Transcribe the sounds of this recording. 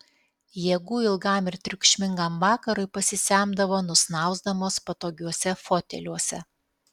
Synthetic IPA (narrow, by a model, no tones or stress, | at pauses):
jeɛɡuːɪlˠɡɑˑmɪɾt̪ʲɾʲʊkʃʲmʲɪŋɡɐmʋɑːkɐɾʊɪpɐsʲɪsʲæˑmd̪ɐʋoːnʊsnɑˑʊzd̪ɐmoːspɐt̪oːɡʲuɔsʲɛfoːt̪ʲɛ̰lʲuɔsʲɛ̰